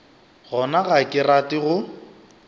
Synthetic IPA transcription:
ɣɔnaɣakʼɪratʼɪɣʊ

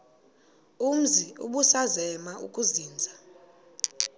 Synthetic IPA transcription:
um̩ziṵɓusazɛmaʔṵkʼuziːnd͡zʱa

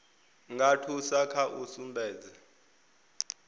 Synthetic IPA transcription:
ŋɡʱatʰusakʰaʔusumbʱɛːd͡zɛ

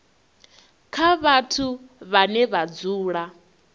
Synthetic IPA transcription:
kʰaβatʰuβanɛβad͡zuːɺa

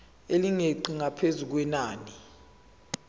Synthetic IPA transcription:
eliŋeǃiŋapʰezuk̬wɛnaːni

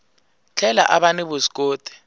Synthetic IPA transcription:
t͡ɬʰɛlaʔaɓanɛbʊsk̬ʼoːtʼi̥

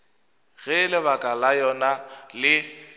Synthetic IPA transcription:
ɣɛlɪβakʼalajɔnalɪ

